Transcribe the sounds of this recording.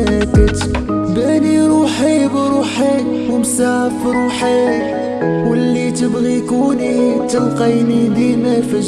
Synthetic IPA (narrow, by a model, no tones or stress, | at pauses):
ækət̪ | bæniɾuħibɾuħi | wəmsaʕfɾuħe | wəlːit̪əbɣikunit̪əlqɑjnid̪imæfə